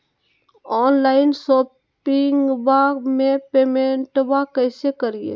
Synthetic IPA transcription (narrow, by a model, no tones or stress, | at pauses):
ɔːnlaːɪnsoː | pɪŋɡbamẽpeːmẽɳʈbakəːsekəɾiḛ